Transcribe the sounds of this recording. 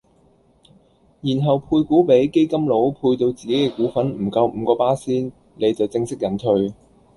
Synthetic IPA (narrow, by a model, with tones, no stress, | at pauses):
jiː˨˩nɦɐ˨wpʰuː˧jkuː˨˥pe˨˥jke˥jkɐ˥mlo˨˥wpʰuː˧jt̪o˧wt͡siː˨ke˨˥jkɛː˧kuː˨˥fɐ˨˥nm̩˨˩kɐ˧wm̩˨˧kɔː˧paː˥siː˥n | le˨˧jt͡sɐ˨wt͡sɪ˧ŋsɪ˥k̚jɐ˨˥nt̪ʰɵ˧ɥ